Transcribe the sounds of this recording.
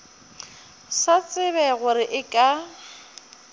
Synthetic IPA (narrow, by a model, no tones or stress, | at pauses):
sat͡sʼɪβɛɣʊɾɪʔɪkʼa